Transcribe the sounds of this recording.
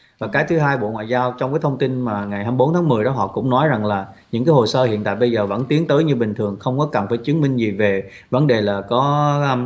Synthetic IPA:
vaː˨˩kaː˨˦jt̪ʰɨ˨˦ɦaː˧jɓo̰˧˨ŋwa̰ː˧˨jzaː˧wt͡ɕɔ˧wŋ͡mkaː˨˦jt̪ʰə˧wŋ͡mt̪i˧nmaː˨˩ŋa˨˩jɦaː˧mjɓo˨˦nt̪ʰaː˨˦ŋmɨ˨˩əjɗɔ˨˦ɦɔ̰˧˨kʊ̰˧˥ŋ͡mnɔ˨˦jza˨˩ŋlaː˨˩ɲɨ̰˧˥ŋkaː˨˦jɦo˨˩səː˧hḭ˧˨ənt̪a̰ː˧˨jɓə˧jzəː˨˩və̰˧˥˩nt̪i˨˦əŋt̪əː˨˦jɲɨ˧ɓï˨˩ŋ̟t̪ʰɨ˨˩əŋxə˧wŋ͡mkɔ˨˦kə˨˩nfaː˧˩jt͡ɕɨ˨˦ənmï˧ŋ̟zi˨˩ve˨˩ | və˨˦nɗe˨˩laː˨˩kɔ˨˦˧

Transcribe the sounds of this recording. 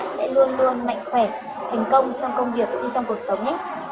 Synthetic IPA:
sɛ̰˧˥lu˧ənlu˧ənma̰˧˨jŋ̟xwɛː˧˩ | t̪ʰa˨˦jŋ̟kə˧wŋ͡mt͡ɕɔ˧wŋ͡mkə˧wŋ͡mvi˨˩ək̚ɲɨ˧t͡ɕɔ˧ŋ͡mku˨˩ək̚sə˨˦wŋ͡mɲa˦

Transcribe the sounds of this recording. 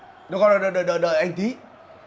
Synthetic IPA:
ɗkɔ˧nɗə˧˨˩ɗəː˧˨˩ɗəː˧˨ɗəː˧˨ɗəː˧˨jʔa˧jŋt̪ʰi˨˦

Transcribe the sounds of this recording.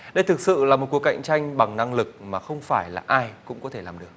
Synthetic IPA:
ɗə˧jt̪ʰɨ˨˩k̚sɨ̰˧˨laː˨˩mo˨˩t̚ku˨˩əka̰˧˨jŋ̟t͡ɕa˧jŋ̟ɓa˨˩ŋna˧ŋlɨ˨˩k̚maː˨˩xə˧wŋ͡mfaː˧˩jla̰ː˨˩ʔaː˧jkʊ̰˧˥ŋ͡mkɔ˨˦t̪ʰe˧˩laː˨˩mɗɨ˨˩ək̚

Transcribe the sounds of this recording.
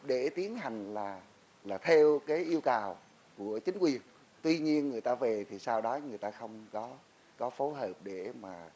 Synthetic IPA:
ɗe˧˩t̪i˨˦ənɦa˨˩jŋ̟laː˨˩ | laː˨˩t̪ʰe˧wkaː˨˦jʔi˧əwkaː˨˩w | ku˧˩ət͡ɕï˨˦ŋ̟kwi˨˩ən | t̪wi˧ɲi˧ənŋɨ˨˩əjt̪aː˧ve˨˩t̪ʰi˨˩saː˧wɗɔ˨˦ŋɨ˨˩əjt̪aː˧xə˧wŋ͡mkɔ˨˦ | kɔ˨˦fo˨˦jɦəː˨˩p̚ɗe˧˩maː˨˩

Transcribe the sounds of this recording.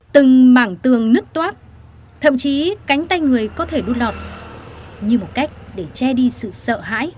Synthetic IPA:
t̪ɨ˨˩ŋmaː˧˩ŋt̪ɨ˨˩əŋnɨ˦˥ək̚t̪waː˦˥t̚ | t̪ʰə˧˨mt͡ɕi˨˦ka˨˦jŋ̟t̪a˧jŋɨ˨˩əjkɔ˨˦t̪ʰe˧˩ɗu˧lɔ˨˩t̚ | ɲɨ˧mo˨˩t̚ka˦˥jk̟̚ɗe˧˩t͡ɕɛ˧ɗi˧sɨ̰˧˨sə̰ː˧˨ɦa̰ː˧˥j

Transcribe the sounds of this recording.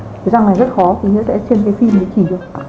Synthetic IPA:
ə˨˦za˧˩ŋna˨˩jzə˦˥t̚xɔ˨˦t̪ʰi˨˩ɦḭ˧˥sɛ̰˧˥t͡ɕe˧nkaː˨˦fi˧mhə˨˦t͡ɕi˧˩ɗɨ˨˩ək̚

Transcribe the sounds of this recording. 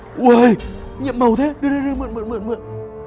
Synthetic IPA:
ʔwjɲḭ˧˨əmːə˨˩wt̪ʰe˨˦ɗɨ˧əne˧zɨ˧mɨ̰˧˨nmɨ̰˧˨nmɨ̰˧˨nmɨ̰˧˨n

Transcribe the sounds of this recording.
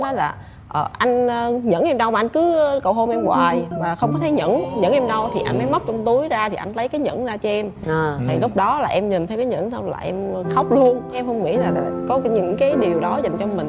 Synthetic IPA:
ɔ˨˦laː˨˩ | ʔəː˨˩ʔa˧jŋ̟ː˧ɲə̰˧˥nʔɛ˧mɗə˧wmaː˨˩ʔjŋ̟kɨ˨˦˧kə˨˧˩wɦo˧mʔɛ˧mɣwaː˨˩jmaː˨˩xə˧wŋ͡mk̬ɔ˨˦t̪ʰə˨˦jɲə̰˧˥nɲə̰˧˥nʔɛ˧mɗə˧wt̪ʰi˨˩ʔa˧jn̟mə˨˦jmə˦˥t̚t͡ɕɔ˧wŋ͡mt̪u˨˦əjzaː˧t̪ʰi˨˩ʔa˧jn̟lə˨˦jkaː˨˦jɲə̰˧˥nzaː˧t͡ɕɔ˧ʔɛ˧mt̪ʰi˨˩lʊ˦˥k͡p̚ɗɔ˨˦laː˨˩ʔɛ˧mɲï̟˨˩t̪ʰə˧wkaː˨˦jɲə̰˧˥nsa˧wŋ͡mla̰ː˨˩ʔɛ˧m˧xa˦˥wk͡p̚lu˧ənka˨˦ʔɛ˧mxə˧wŋ͡mŋḭ˧˥zaː˨˩a˨˩kɔ˨˦ɲɨ̰˧˥ŋkaː˨˦jɗi˨˩əwɗɔ˨˦za˨˩jŋ̟t͡ɕɔ˧mï˨˩ŋ̟

